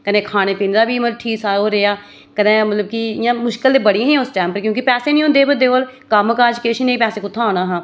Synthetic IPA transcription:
kənẽːkʰaːñeːpiːnɾaːbiːməlʈʰiːsaːoːɾeːaː | kənẽːmət̪ləbkiɪjãːmʊʃkəld̪eːbəɽijãɦɛ̃ːʊsʈɛːmpəɾkjõːkipɛːseːnĩɦʊ̃nd̪eːbəd̪eːolkaməkaːd͡ʒkeːʃiːneːipɛːsẽːkʊt̪ʰːãːõːnaːɦãː

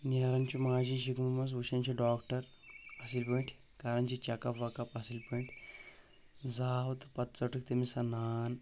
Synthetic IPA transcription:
naːɾɐnt͡ʃumaːd͡ʒiʃikmumɐs̬ʋuʃɐnt͡ʃʰiɖaːkʈɐɾ | ɐsilpeɳʈʰ | kaːɾɐnt͡ʃit͡ʃɐkɐpʋɐkɐpɐsilpeɳʈʰʲ | zaːwt̪pɐt̪t͡sɐʈɨk̚t̪emisɐnaːn

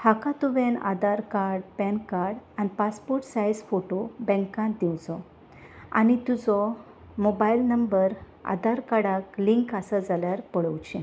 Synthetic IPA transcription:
hakat̪uʋẽna̰d̪aɾkaɾɽpɛ̃nkaɾɽanipaspoɾʈsajsfoʈobɛ̃ŋkãnt̪̚d̪iwd͡zɔ | a̰nit̪ud͡zɔ | mobailnəmbəɾ | a̰d̪aɾkaɽakliŋkəsəd͡zaljaɾpəɽəwt͡ɕẽ

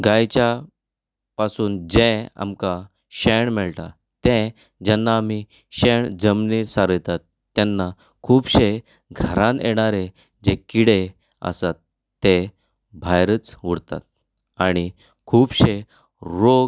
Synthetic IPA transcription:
ɡajt͡ɕja | pasuːnd͡ʑẽa̰mka | ɕeɳmɛɭʈ̪a | t̪ɛ̃ | d͡ʑɛnːaːmi | ɕeɳd͡zəmnisaɾəjt̪at̪ːɛnːa | kʰuːbɕe | ɡʱəɾãneɽ̃aɾe | d͡ʑekiɽe | ə̰sat̪ː | e | bʱajɾət͡sʋuɽt̪a̰t̪̚ | aɽ̃i | kʰuːbɕe | ɾoɡ

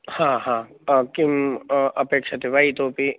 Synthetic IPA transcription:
hãːɦãː | kimɐpeːkʃɐt̪ʰiʋait̪oːpi

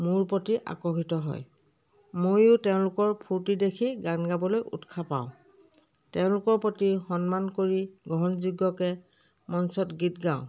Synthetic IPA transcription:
muɹpotiʔa̰kɔɦitɔɦɔ̰j | mojʊtɛʊ̃lʊkɔɹpʰuɹtidekʰiɡanɡabɔlojʔṵtkʰapa̰ʊ̃ | tɛʊ̃lʊkɔɹpotixɔnmankoɹiɡɔɦɔnzuɡːɔkɛ | mɔnsɔtɡitɡãʊ̃

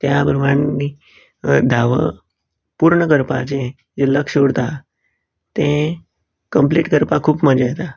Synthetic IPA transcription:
t̪jabəɾʋaɳni | d̪ʱaʋə̰ | puɾɳəkəɾpa̰t͡ɕẽ | d͡zeləkʂoɽt̪a | t̪ẽ | kəmpliʈkəɾpakʰuːpməd͡ʑajt̪a

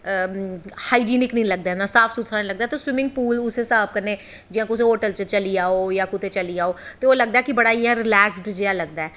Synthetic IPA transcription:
haːiːd͡ʒiːnɪknəĩləɡ̚d̪aːɦɛ̃nd̪aːsaːpʰsut̪ʰɾaːnĩːləɡ̚d̪aːt̪eswɪmɪ̃ŋɡ̚puːlʊseːsaːp̚kəɾneː | d͡ʒɪjãːkʊs̬ẽɦoːʈəlt͡ʃt͡ʃəliːaːoːjaːkʊt̪eːt͡ʃəliːaːoːt̪eːoːləɡ̚d̪aɛːkɪbəɽaːiːãːɾɪlɛːksɖd͡ʒeːaːləɡ̚d̪aːɛː

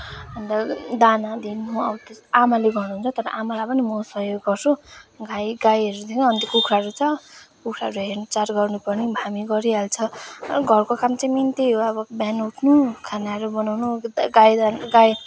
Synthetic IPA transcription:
ʌnɾʌd̪anad̪inũʌbʌt̪ʌamaleɡʌrnuɦunt͡sʰʌt̪ʌɾʌ̰ʔamalajpʌnimʌsʌɦjoɡːʌrsʰuɡajɡajʌɾud̪ʰekʰãʌnt̪jokukʰɾaɾut͡sʰʌkukʰɾaɾuɦernt͡saɾɡʌrnupʌrnibʱamiɡʌɾiɦalt͡sʰʌɡʱʌrkokamt͡saĩmint̪iɦoʌbʌbjanut̪ʰnukʰanaɾubʌnawnuɡajd̪ɡaj

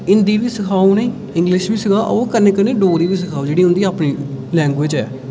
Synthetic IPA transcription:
ɪnd̪iːʋiːsəkʰaːunəĩː | ɪ̃ŋɡlɪʃbiːsɪɡaːʔkəɾneːkəɾneːɖoːɾiːʋiːsɪkʰaːuːd͡ʒeːɽiːɦʊ̃nd̪iːaːpniːlɛ̃ːŋɡʋɪd͡ʒɛː

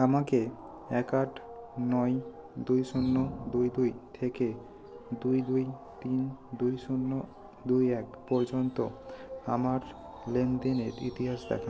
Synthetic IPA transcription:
amake | ɛkaʈnɔj | d̪ujʃunːod̪ujd̪ujt̪ʰeke | d̪ujd̪uj | t̪ind̪ujʃunːo | d̪ujɛkpɔɾd͡ʑont̪oamaɾ | lend̪eneɾit̪iɦasd̪ɛ̰kʰa

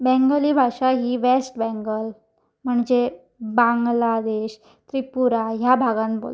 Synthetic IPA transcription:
bɛ̃ŋɡəliːbʱaʂaɦiːʋesʈbɛ̃ŋɡəl | m̤əɳd͡ʑe | baŋɡlad̪eɕ | t̪ɾipuɾaɦjabʱaɡãnbo̰l

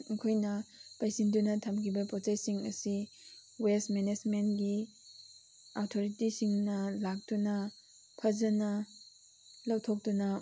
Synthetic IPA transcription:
kʰojnɐpajsindunɐtʰɐmkʰibɐpot͡ʃajsiŋɐ̰si | wesmenezmentɡi | atʰoɾitisiŋnɐlak̚tunɐ | pʰɐzɐnɐ | lɐwtʰok̚tunɐ

